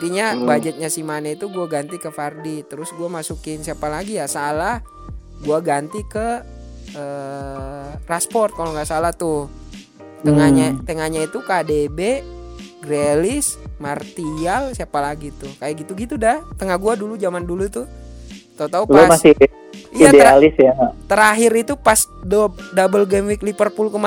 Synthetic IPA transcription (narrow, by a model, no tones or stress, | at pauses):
t̪iɲabad͡ʒət̪̚ɲasimanait̪uɡuaɡant̪ikəfardit̪əɾʊsɡuamasukɪnsiapalaɡijasalah | ɡuaɡant̪ikə | ə | raspɔrt̪̚kaloŋɡaʔsalaht̪ʊ | t̪əŋaɲat̪əŋaɲait̪ukadebeɡɾelɪsmart̪ialsiapalaɡit̪ʊhkajaʔɡit̪uɡit̪udaht̪əŋahɡuadulud͡ʒamandulut̪ʊht̪aut̪aulomaɪ | ijiatdealɪsjaŋat̪əɾaɦɪɾit̪upasdodabəlɡemwiklipərpulkəma